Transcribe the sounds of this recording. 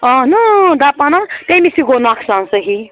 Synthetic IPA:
ɔɦnud̪apanat̪emisiɡonakʰsãnsəɦi

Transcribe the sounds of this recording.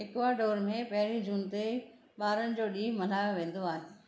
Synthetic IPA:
ɪkʋaːɖoːɾmẽpɐɦɪɾĩd͡ʑuːnt̪e | ɓaːɾənɪ̆d͡ʑoːɗĩːɦmɐl̤aːjoʋẽːn̆d̪oaːɦɪ

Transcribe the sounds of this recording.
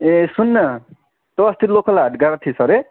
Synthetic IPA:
esunːʌ | t̪ʌːst̪it̪lokʰʌlaɦaʈɡaɾʌt̪ʰisʌɾe

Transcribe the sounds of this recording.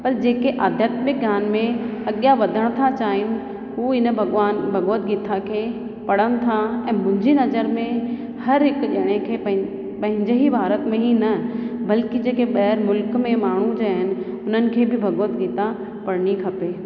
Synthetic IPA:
pɐɾd͡ʑeːkeʔaːd̪ʱjaːt̪mɪk̚ɡjaːnmẽɐɠijaʋɐd̪ʱəɽ̃t̪ʰat͡ɕaːɦɪnɪ̆ | ɦuːɪnəbʱɐɡʋaːnbʱɐɡoːt̪̚ɡiːt̪ʰakʰeː | pɐɽ̤əɽ̃̆t̪ʰaɛ̃ːmʊ̃ɦɪ̃ɲd͡ʑinɐzəɾmẽ | hɐɾɦɪkʄɐːɽ̃ekʰeːpɐ̃ɦɪ̃ | pɐ̃ɦɪ̃ɲd͡ʑɪɦibʱaːɾət̪mẽɦinɐbɐlkid͡ʑeːkeɓɐːɾmʊlkmẽmaːɳ̤ũd͡ʑaːɦɪnɪ̆ | ʊnənɪ̆kʰeːbʱɪbʱɐɡoːt̪ɡiːt̪a | pɐɽ̤ñikʰɐpeː

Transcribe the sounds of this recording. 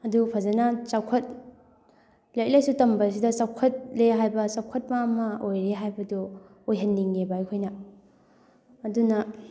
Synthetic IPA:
ɐdupʰɐzɐnɐsawkʰɐt̚ | lajk̚lajsutɐmbɐs̬idɐsawkʰɐt̚leɦajbɐsawkʰɐt̚mɐːmɐojɾeɦajbɐdu | ojɦɐnːiŋebajkʰojnɐ | dunɐ

